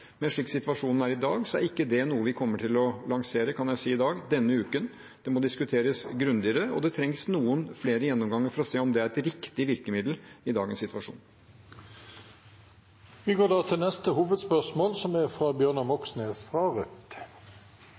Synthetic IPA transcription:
mɛnʂɭiːksɪt̪ʋɑʂuːnn̩æɾɪd̪ɑːɡsɔæ̰ɾɪkːəd̪ɛnuːəʋɪkʰɔmːəʈʰɪlɔlɑŋseːɾəkʰɑnjæɪsiːɪd̪ɑːɡd̪ɛnːəʉːkən | d̪̥ɛmɔd̪ɪskʉt̪ʰeːɾəsɡɾʉnd̪ɪəɾəɔ̰d̪ɛt̪ʰɾɛŋsnuːənfleːɾəjɛnːɔmɡɑŋːəɾfɔɾɔseːɔmd̪ɛæɾɛt̪ɾɪkt̪ɪʋɪɾkəmɪd̪l̩ɪd̪ɑːɡənsɪt̪ʋɑʂṵːn | ʋɪɡoːdɑːt̪ʰɪlnɛst̪əhuːʋəd̪spœʁʂmoːlsɔmæfɾɑbjøːʁnɑmɔksneːsfʁɑːʁət̪

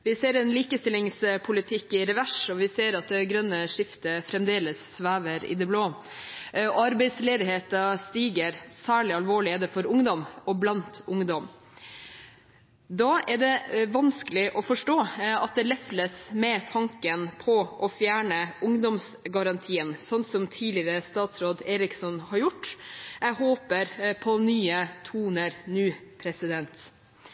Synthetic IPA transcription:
ʋɪseːɾɛnliːkəst̪ɪlɪŋspʰʊlɪt̪ʰɪkːɪɾɛʋæʂɔʋɪseːɾɑt̪̚d̪ɛɡɾœnːəʂɪft̪əfɾɛmd̪eːləsːʋæːʋəɾɪ̰d̪ɛbloː | ɔɑɾbɛɪsleːd̪ɪɦeːt̪ɑst̪iːɡəɾsæːɭɪɑlʋoːɭɪɛd̪ɛfɔɾʊŋd̪ɔmɔblɑnt̪ʊŋd̪ɔm | d̪ɑːɛɖɛʋɑnskəlɪʔɔfɔʂʈoːɑt̪̚d̪ɛlɛfləsmɛt̪ʰɑŋkənpʰɔʔɔfjæːɳəʔʊŋd̪ɔmsɡɑɾɑnt̪ʰiːənsɔnsɔmt̪ʰiːlɪɾəst̪ɑːt̪sɾoːd̪eːɾɪksɔnhɑɾjʊʈːɛhoːpəɾpʰɔnyːət̪ʰuːnəɾnyːpʰɾɛsɪd̪ɛnt̪

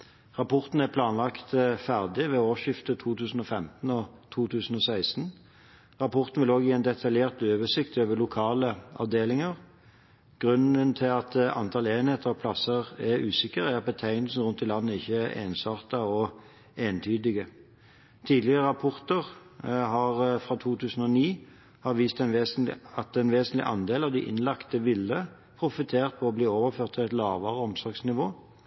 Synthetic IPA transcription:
ʁɑpʰɔʁt̪n̩æpʰlɑːnlɑkt̪fæʁd̪ɪʋɛoːʃɪft̪ət̪ʰuːt̪ʰʉːsn̩ɔfɛmt̪n̩ɔt̪ʰuːt̪ʰʉːsn̩ɔsæɪst̪n̩ | ʁɑpʰɔʁt̪n̩ʋɪloːɡjiːæɪnd̪ɛt̪ʰɑljeːʁt̪øːʋəsɪkt̪øːʋəlʊkʰɑːləɑ̰ʋd̪eːlɪŋəʁ | ɡ̥ʁʉnənt̪ʰɪlɑt̪ɑ̰nt̪ʰɑːleːnheːt̪ʰəʁɑpʰlɑsəʁɛʁʉːsɪkəʁæɾɑt̪̚bət̪ʰæɪnlsn̩ʁʉnt̪ɪlɑnːəɪçːəʔḛːnsɑʁt̪ɑɔ | eːnt̪ʰyːd̪ɪɡə | t̪ʰiːd̪lɪʁəʁɑpʰɔʁt̪əʁɦɑʁfʁɑːt̪ʰuːt̪ʰʉːsən̩ɔniː | hɑʁʋiːst̪ɛnʋeːsnɑt̪ɛnʋeːsənlɪ̰ʔɑnd̪eːlɑʋd̪ɪ̰ʔɪ̰nlɑkt̪əʋɪlːə | pʰʁʊfɪt̪ʰeːʁt̪̚pʰɔɔbliːoːʋəʁføːt̪ʰːɪɛt̪lɑːʋəʁəɔmsɔʁɡsnɪʋoː

